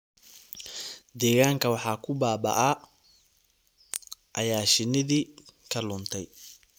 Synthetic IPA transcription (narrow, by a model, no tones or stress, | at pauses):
d̪ɛːɣaːŋkʰɐwɑħɑːkʰʊbaːbɐ̰ʔɐ | ʔɐjaːʃɪnɪðiːkʰɐlʊnt̪ʰɛj